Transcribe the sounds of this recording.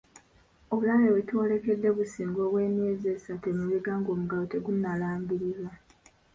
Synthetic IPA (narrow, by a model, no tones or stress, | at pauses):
o̞βulalewetuole̞ke̞dːe̞βusiːŋɡo̞ːβwe̞ːmiezesatemiziɡaːŋɡo̞ːmuɡalote̞ɡunːalaːmbiɾiza